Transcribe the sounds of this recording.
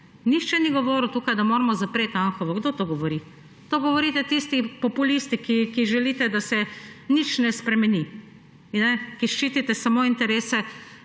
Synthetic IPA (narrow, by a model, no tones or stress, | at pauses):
nixt͡ʃɛniɡɔʋoːɾut̪uːkajd̪amoːɾmɔzapɾeːt̪anxɔʋɔɡd̪oːt̪oɡɔʋɔɾi | t̪oːɡɔʋɔɾiːt̪ɛt̪ist̪ipɔpulist̪ikikiʒɛliːt̪ɛd̪asɛnit͡ʃnɛspɾɛmɛni | nɛkiʃt͡ʃiːt̪it̪ɛsamoːint̪ɛɾeːsɛ